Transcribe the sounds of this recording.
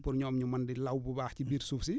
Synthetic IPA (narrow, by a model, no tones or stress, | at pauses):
pʊɾɲɔːmɲumɐndilɐwbubaːxcibiːɾsuːfsi